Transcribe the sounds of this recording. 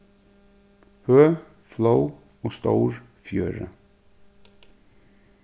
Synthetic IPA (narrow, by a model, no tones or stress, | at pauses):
høː | flow | ɔːst̪owɹ | fjøːɾə̰